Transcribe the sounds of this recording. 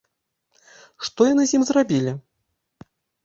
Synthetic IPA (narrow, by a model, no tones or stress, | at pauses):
ʂt̪ɔjanɨzʲimzrabʲilʲi